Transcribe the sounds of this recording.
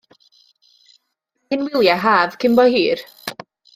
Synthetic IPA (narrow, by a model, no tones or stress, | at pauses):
ɪnwɪlˠjaɦaːvkʰɪmbɔhiːr